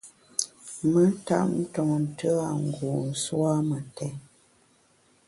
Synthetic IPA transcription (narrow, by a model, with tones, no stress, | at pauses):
mə˦ta̰˦ʔn̩˦tɔ˨ŋn̩˨tʰə˦a˨ŋ˨ɡu˨n̩˨swa˦mə˨tɛ˨˦